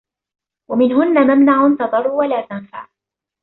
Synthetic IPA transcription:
wamɪnɦʊnːamamnaʕʊnt̪ɑd̪ˤɑrˤːuwalaːt̪anfa̰ʕ

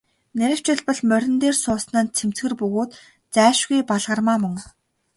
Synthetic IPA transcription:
næɾʲɪ̆w̥t͡ɕɪ̆ɮpə̆ɮmœɾʲɪ̆nt̪eːrsʊːsnaːnt͡sʰem̥t͡sɡɘ̆rpɵɣoːt̪ | t͡sæːʃɣujpaɮʁə̆rmaːmɵ̆ŋ

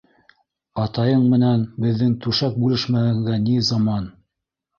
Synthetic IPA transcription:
ɑt̪ɑjɤɴmɘ̆nænbɘ̆ðːɘŋt̪ʉʃæk̚bʉlɘʃmæɘ̆ŋɡænizɑmɑn

